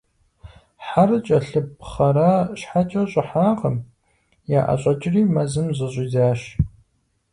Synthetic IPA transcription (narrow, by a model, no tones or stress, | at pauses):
ħarɨt͡ʃʼɐɬɨpχɐɾaːʃħat͡ʃʼɐɕʼɪħaːqəm | jaːʔɐ̰ɕʼɐt͡ʃʼɪriːmɐzɨmzɐɕʼiːzaːʃ